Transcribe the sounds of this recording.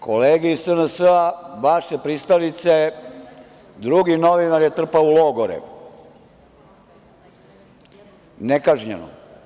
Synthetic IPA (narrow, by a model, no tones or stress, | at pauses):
kʰoleːɡeisənəsəabaʃjepɾist̪alit̪se | d̪ɾuɡinoʋinaɾjet̪r̩paulˠoɡoɾɛ̰ | nekaʒɲḛno̰